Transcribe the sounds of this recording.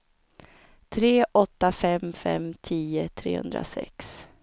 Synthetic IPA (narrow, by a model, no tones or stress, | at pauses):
t̪ʰɾeːʔɔt̪ːafɛmfɛ̰mt̪ʰiːət̪ʰɾḛːhɵ̰nd̪ɾa̰sɛ̰ks